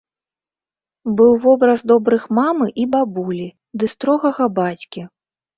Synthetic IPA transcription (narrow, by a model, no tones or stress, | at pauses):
bɨwvɔbɾɐzd̪ɔbɾɨxmamɨʔibabulʲi | d̪ɨst̪ɾɔɣɐɣɐbat͡sʲkʲi